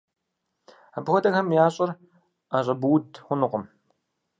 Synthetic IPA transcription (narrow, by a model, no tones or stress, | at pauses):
abxʷɔdɐxɐmjaːɕʼɪr | aɕʼɐbuwdxʷʊnɨqʷʊm